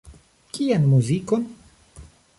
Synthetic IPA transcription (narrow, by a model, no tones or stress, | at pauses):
kianmuzikon